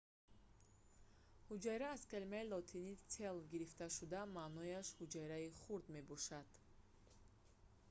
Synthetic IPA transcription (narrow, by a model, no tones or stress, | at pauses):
hud͡ʒajɾaːz̥kelimailɔt̪ʰinit͡sʰe̞lɡiɾift̪aʃud̪amanɔjaʃhud͡ʒajɾaiχuɾd̪me̞bɔʃad̪̥